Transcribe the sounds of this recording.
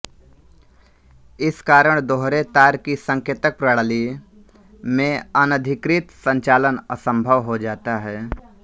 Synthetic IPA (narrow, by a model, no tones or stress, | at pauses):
ɪskaːɾəɽ̃d̪oɦɾet̪aːɾkisə̃ŋkeːt̪ək̚pɾəɽəli | mẽɐnəd̪ʱɪkɾɪt̪sə̃ɲt͡ʃaːlənə̰sə̃mbʱəʋɦod͡ʒaːt̪aɦɛː